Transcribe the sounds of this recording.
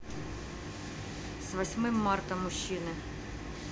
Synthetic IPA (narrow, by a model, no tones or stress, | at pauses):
sʋɐsʲmɪmːɑrt̪ɐmːʊɕːinɪ